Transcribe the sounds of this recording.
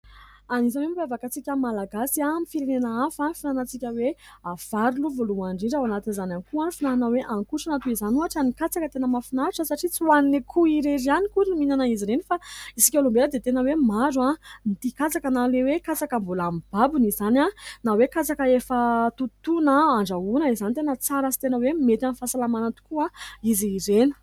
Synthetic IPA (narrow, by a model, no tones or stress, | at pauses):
anizawembavakat͡sikʲəmalaɡasiamifiɾenenaafafinanat͡sikʲəweav̥aɾuluvoluaɳɖ͡ʐiɳɖ͡ʐawanat̪inizananikuanifinaɦanaweʔaŋkuʈ͡ʂanat̪uizanuaʈ͡ʂanikat͡sakət̪enəmafinaʈ͡ʂəsaʈ͡ʂit͡siwannekʰuiɾeɾianikuɾiniminanaiziɾenifaisi̥kʲolombeləd̪et̪enəwemazuanit̪ikat͡sakanalewekat͡sakəmbulamib̥abunizananawekat͡sakəefət̪ut̪unaaɳɖ͡ʐaunəizanit̪enət͡saɾasi̥t̪enəwemet̪anfasalamanat̪u̥kuaiziːɾeni̥